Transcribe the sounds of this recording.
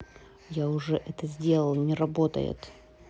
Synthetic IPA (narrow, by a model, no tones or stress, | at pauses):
jaʊʐɛʔɛt̪əzʲdʲe̞lˠəlˠnʲɪɾɐbo̞t̪ə̰jɪ̰t̪